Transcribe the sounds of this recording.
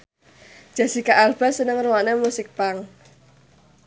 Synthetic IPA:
ʒ̥a̤sikaʔalb̥a̤sənəŋruwanemusɪk̚paŋ

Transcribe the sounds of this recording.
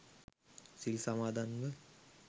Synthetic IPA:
sɪlsɐmaːd̪aŋɡɐl

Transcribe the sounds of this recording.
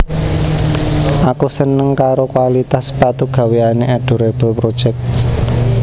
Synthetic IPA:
ʔakusənəŋkaɾokwalit̪aspat̪uɡ̥ä̤weaneʔɛɖ̥ṳɾeb̥əlpɾod̥ʒ̥ɛk̚t

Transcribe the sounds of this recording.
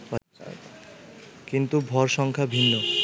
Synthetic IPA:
kint̪ubʱɔɾʃɔŋkʰabʱinːo

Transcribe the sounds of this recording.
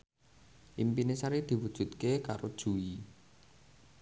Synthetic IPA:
ʔimpinesaɾid̪̥i̤wud̥ʒ̥ṳt̪̚kekaɾod̥ʒ̥ṳi

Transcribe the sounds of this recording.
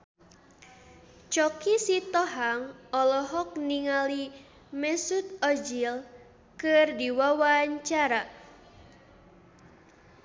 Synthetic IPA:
t͡ʃɔkisit̪ɔɦaŋɔlɔɦɔk̚niŋali | mɛsut̪̚ɔd͡ʒil | kɨrdiwawaɲt͡ʃaɾa

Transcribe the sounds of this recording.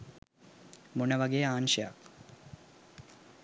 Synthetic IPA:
munɐʋɐɡeːaːnʃja̰ːk

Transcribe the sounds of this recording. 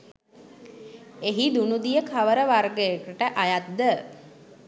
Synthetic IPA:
eɦid̪unud̪ijəkʰaʋəɾəʋarɡəjekəʈəʔajat̪d̪ːə

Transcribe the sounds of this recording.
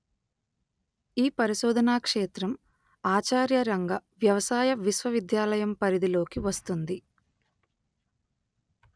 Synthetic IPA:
iːpɐɾiʃɔːd̪ɐnaːkʂeːt̪ɾɐm | aːt͡ʃaːɾjɐɾɐŋɡɐʋjɐʋɐsaːjɐʋisʋɐʋid̪jaːlɐjɐmpɐɾid̪ilo̞ːkiʋɐst̪und̪i

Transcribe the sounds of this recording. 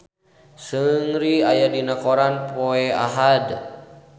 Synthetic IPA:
səŋɾiajadinakoɾanpoɛa̰ɦad

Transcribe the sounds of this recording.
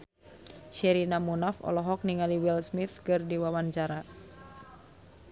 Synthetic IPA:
ʃɛɾinamunafɔ̰lɔɦɔk̚niŋaliwɛlsmit̪kɨrdiwawaɲt͡ʃaɾa

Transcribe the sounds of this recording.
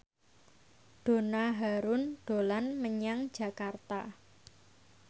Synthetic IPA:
ɖ̥o̤naɦaɾʊnɖ̥o̤lanməɲaŋ̥d͡ʒ̥a̤kart̪a

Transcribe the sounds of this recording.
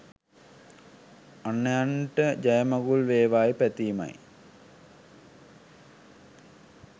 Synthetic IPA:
anːəjaɳʈəd͡ʑajəmɐɡulʋeːʋaːjpæt̪iːma̰j

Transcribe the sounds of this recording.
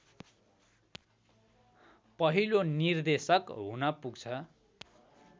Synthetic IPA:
pʌɦilonird̪esʌkɦunʌpuɡt͡sʰʌ

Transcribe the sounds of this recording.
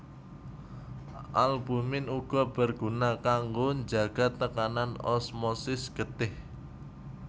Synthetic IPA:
ʔalbumɪnuɡ̥ɔb̥ərɡ̥unakaŋɡoɲd͡ʒaɡ̥a̤t̪ːəkananɔ̰smɔsɪsɡ̥ət̪ɪh

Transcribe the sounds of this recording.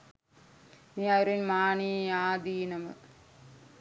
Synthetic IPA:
niːajɾinmaːɳiaːd̪iːnɐmɨ

